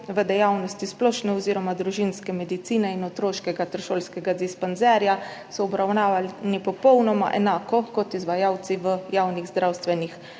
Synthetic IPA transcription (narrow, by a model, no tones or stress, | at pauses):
ʋəd̪ɛjawnɔst̪isplɔːʃnɛɔziːɾɔmad̪ɾuʒinskɛmɛd̪it̪siːnɛinɔt̪ɾoːʃkɛɡat̪əɾʃoːlskɛɡad̪ispɔnzɛɾja | sɔːbɾawnaːʋanipɔpɔwnɔma̰ʔɛ̰naːkɔkɔt̪izʋajaːwt̪siʋəjawniɣzd̪ɾawst̪ʋɛnix